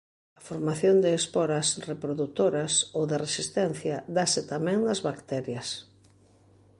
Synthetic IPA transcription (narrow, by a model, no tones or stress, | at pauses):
ɐfoɾmaθjond̪eːspɔɾɐsrepɾoðut̪oɾɐsowðɪresist̪ɛn̟θjɐd̪asɪt̪amɛ̃ŋd̪ɐzβakt̪ɛɾjɐs